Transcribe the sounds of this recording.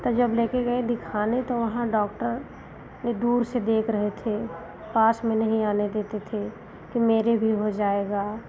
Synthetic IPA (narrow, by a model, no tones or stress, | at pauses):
t̪od͡ʒɐbleːkeɡɐed̪ɪkʰaːnet̪oʋɐɦãɖɔːkʈəɾ | ned̪uːɾsed̪eːkʰɾəɦet̪ʰe | paːsmẽnɐɦĩaːned̪eːt̪et̪ʰe | kimeːɾebʱiɦod͡ʒaːeːɡaː